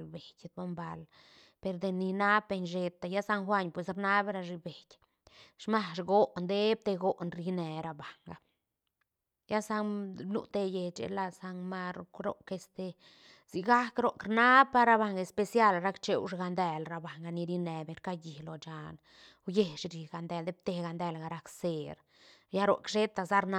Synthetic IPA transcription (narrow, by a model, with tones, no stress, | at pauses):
lbe˨jd̪̚bo˦mba˧l | pe˧ɾd̪e˧ni˧na˦pːe˧nʃe˧t̪a˧ja˦sa˧ŋxʷa˦ɲpwe˨s̬ɾna˦bɾa˧ʐi˧be˨jʲ | ʂma˦ʂɡo˦ʔnd̪e˦b̚t̪e˧ɡo˦ʔnɾi˧ne˨ɾa˧ba˨ŋɡa˦ | ja˦sa˧blṵ˦˧t̪e˧je˧t͡ʃḛ˨la˧sa˧ŋma˧ɾɾo̰˦ke˧st̪e˧ | z̥i˧ɡa˦kɾo˨ʔkɾna˦ba˦ɾa˧ba˧ŋɡe˧spe˧sja˧˨lɾa˦kt͡ʃe˦wʂɡa˧nd̪ɛ˧lɾa˧ba˨ŋɡa˧ni˧ɾi˧ne˨be˨nka˦ji˨hlo˨t͡ʃa˨n | wje˧˨ʃɾi˨ɡa˨nd̪ɛ˧˨ld̪e˦b̚t̪e˧ɡa˨nd̪ɛ˧˨lɡa˨ɾa˧kse˨ɾ | ja˦ɾo̰˨ʔkʃe˦t̪a˧za˦ɾna˦